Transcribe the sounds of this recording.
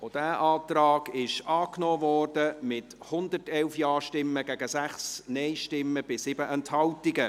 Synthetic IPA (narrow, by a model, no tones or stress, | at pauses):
od̥æːʔɑːtrɑːɡ̥ɪʃɑːknoːvɔːrdəmɪt | hʊndərtɛlfjɑːʃtɪmːəɡɛɡəsæχsnɛɪʃtɪmːəb̥ɪsɪbəʔɛnthɑltɪɡə